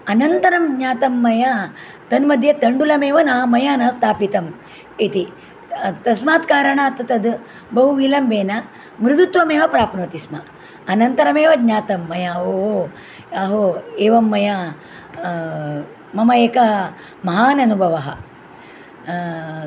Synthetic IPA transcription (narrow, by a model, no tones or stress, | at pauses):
ɐnɐnt̪ɐɾɐmɡɲaːt̪ɐmːɐjɐ | t̪ɐnmɐd̪ʱjɐt̪ɐɳɖulɐmeːʋɐnaːmɐjɐnɐst̪ʰaːpit̪ɐm | it̪i | t̪ɐsmaːt̪kaːɾɐɳaːt̪ɐt̪ɐd̪ | bɐɦuʋiːlɐmʋeːnɐ | mɾɪd̪ut̪ʋɐmeːʋɐpɾaːpnɐt̪ismɐ | ɐnɐnt̪ɐɾɐmeːʋɐɡɲaːt̪ɐmːɐjɐoːo | ɐɦoeːʋɐmːɐjɐ | mɐmɐeːkɐ | mɐɦaːnɐnubʱɐʋɐɦɐ̰